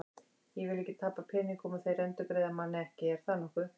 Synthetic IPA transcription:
jɛvɪlɛhcːɪt̪ʰapapʰɛːniŋkʊmaθejɾɛnt̪ʏkɾeːjðamanːɪɛhcɪɛɾ̥θanɔhkʏ

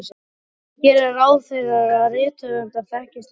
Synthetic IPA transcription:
s | çɛɾɛɾawθɛɣaaðrɪːt̪ʰʏðʏmt̪aðfɛhcɪst̪

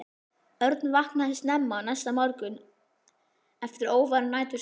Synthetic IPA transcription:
œɾt̪nvahknahɪst̪nɛmːanajsːamɔɾkʏn | ɛft̪ɪɾoːwvaɾnːaːjt̪ʏ

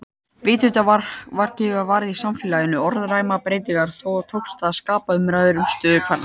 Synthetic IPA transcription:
vɪːt̪ʏt̪avaɾ̥cɪavaːɾɪðisamfɪlajɪnʏɔɾðrajmapɾeːjt̪iŋkaɾ̥θowɔɣt̪ʰowkst̪aðskaːpaʏmɾajðʏɾʏmst̪œːðʏkʰvaɾna

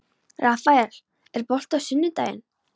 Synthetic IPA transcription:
rafajaɾ̥ | ɛɾpɔl̥t̪awsʏnːʏt̪a̰ːjɪ̰n

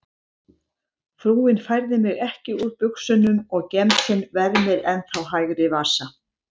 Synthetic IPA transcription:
fɾuːɪnfajɾðɪmɪɣɛhcɪuɾpʏksʏnːʏmɔɣcɛmt̪sɪnvɛɾmɪɾɛnθawɦajɣɾɪvḁːsa

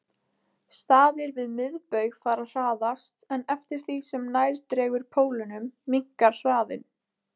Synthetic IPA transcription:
st̪aːðɪɾvɪðmɪðpœɥɣfaːɾar̥aːðast̪ɛnɛft̪ɪɾ̥θisɛmnajɾt̪ɾɛːɣʏɾ̥pʰoːwlɪnʏmːiŋ̥kaɾ̥r̥aːðɪ̰n

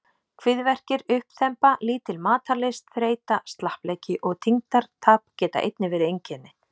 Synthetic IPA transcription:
kʰvɪðvɛr̥cɪɾʏhpθɛmpaliːt̪ɪlmaːt̪alɪst̪fɾeːjt̪ast̪lahplɛːjcɪʔɔɣt̪ʰiŋt̪aɾ̥t̪ʰaːpcɛːt̪a̰ʔḛjt̪nɪvɛːɾɪejɲcɛnːɪ

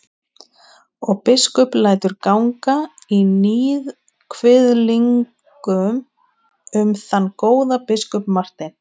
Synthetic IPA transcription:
ɔɣpɪskʏplaːjt̪ʏɾkawŋkainiːð | kʰvɪðliŋk | ʏm | ʏmθanːkoːwðapɪskʏpmar̥t̪ɪn

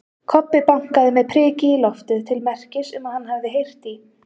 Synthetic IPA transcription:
kʰɔpːɪpaŋ̥kaðɪmɛðpʰɾɛːcɪilɔft̪ʏðt̪ʰɪlmɛr̥cɪsʏmaðhanːhavðɪɦejr̥t̪i

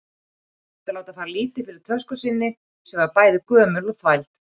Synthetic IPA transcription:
t̪ɪlaːwt̪afaːɾliːt̪ɪfɪɾɪɾ̥t̪ʰœ̥skʏsɪnːɪ | sɛmvaɾpaːjðɪkœːmʏlɔɣθvajlt̪

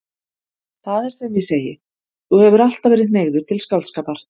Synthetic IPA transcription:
θaðɛɾ̥sɛmjɪseːjɪ | θuhɛvʏɾal̥t̪avɛːɾɪðneːɣðʏ̥t̪ʰɪlskawlt̪skaːpaɾ̥

